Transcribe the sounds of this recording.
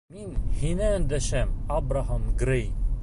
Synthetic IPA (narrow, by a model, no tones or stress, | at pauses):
minhinɛnd̪ɛʃɛmabɾaɦamɡɾej